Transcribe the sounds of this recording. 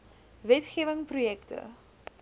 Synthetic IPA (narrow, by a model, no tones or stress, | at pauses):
vɛtχiːvəŋprujɛktʰə̰